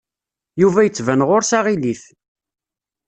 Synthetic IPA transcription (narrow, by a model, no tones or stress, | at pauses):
juvæjət͡sːvænʁʊɾsaʁiliθ